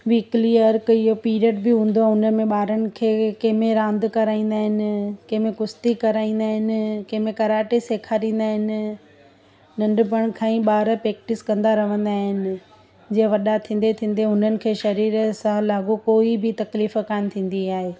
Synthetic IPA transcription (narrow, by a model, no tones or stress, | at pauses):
ʋiːkliəɾkɪɦopiːɾəʈ̚bɪɦũːnd̪oaʊnəmẽɓaːɾənɪ̆kʰeːkɐɦɪmẽɾãːnd̪ʱkɐɾaːĩːn̆d̪aːɦɪnɪ̆kɐ̃ɦmẽkʊst̪ikɐɾaːĩːn̆d̪aːɦɪnɪ̆kɐ̃ɦmẽkɐɾaːʈiseːkʰaɾĩːn̆d̪aːɦɪnɪ̆ | nɐ̃ɳɖʊbəɽ̃kʰãːĩɓaːɾəpɾeːk̚ʈɪskɐ̃nd̪aɾɐʋ̤ə̃nd̪aːɦɪnɪ̆ | d͡ʑiːə̃ʋɐɗat̪ʰĩːn̆d̪et̪ʰĩːnd̪eʊn̤ənɪ̆kʰeːʃɐɾiːɾəsãlaːɡokoːibɪt̪ɐkliːfəkaːnɪt̪ʰĩːn̆d̪iaːɦeː